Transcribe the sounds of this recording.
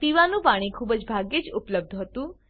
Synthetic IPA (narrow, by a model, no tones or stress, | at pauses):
piʋanũpaɽ̃ikʰubəd͡ʒbʱaɡjed͡ʒʊpləb̚d̪ʱɦət̪ũ